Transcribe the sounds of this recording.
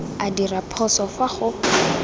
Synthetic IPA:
adirapʰɔsɔfaχʊ

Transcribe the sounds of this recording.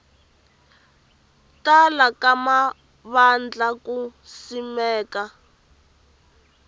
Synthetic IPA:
talakama | βand͡ɮakusimɛːka

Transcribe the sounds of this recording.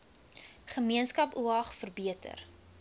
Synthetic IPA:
χəmiənskɐpuɐχfərbiətə̰r

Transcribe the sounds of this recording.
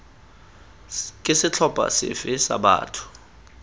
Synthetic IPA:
kʼɪsɪt͡ɬʰɔb̥ʱʼa̰sɪ̰fɪsa̰ɓa̰ːtʰu̥

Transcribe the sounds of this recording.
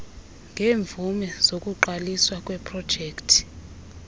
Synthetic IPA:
ŋɡʱeːɱvumɛz̥okʼuǃaliswakʼwɛpʰrɔd̥ʒ̥ʱeːktʰi̥

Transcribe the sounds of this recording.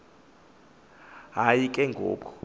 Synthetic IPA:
ɦajikʼɛŋɡʱo̰ːkʰɔ̥

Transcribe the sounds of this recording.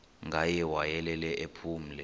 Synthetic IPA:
ŋɡʱajɛwajɛlɛlɛʔepʰuːm̩lɛ

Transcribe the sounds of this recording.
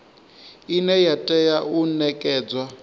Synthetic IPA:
inɛjatʼɛjaunɛkʼɛːd͡zwa

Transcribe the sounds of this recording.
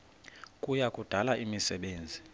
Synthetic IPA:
kʼujakʼud̥ʱalaimisɛɓeːnd͡zʱi

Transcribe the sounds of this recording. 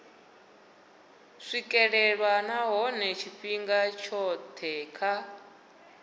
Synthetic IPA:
ʂikʼɛɺɛɺwanaɦɔnɛt͡ʃʰiɸiŋɡat͡ʃʰɔt̪ʰɛkʰa

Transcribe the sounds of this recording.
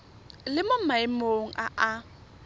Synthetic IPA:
lɪmom̩maɪmoŋ̩ʔa̰ʔa

